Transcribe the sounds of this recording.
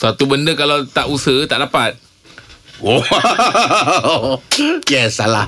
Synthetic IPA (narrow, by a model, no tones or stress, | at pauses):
sat̪ubəndəkalawt̪aʔusət̪aʔdapat̪̚ | o | kɛsala